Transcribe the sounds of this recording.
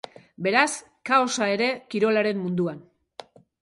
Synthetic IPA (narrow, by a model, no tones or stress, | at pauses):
be̞ɾas | kaosae̞ɾe̞kiɾo̞laɾe̞mmund̪uan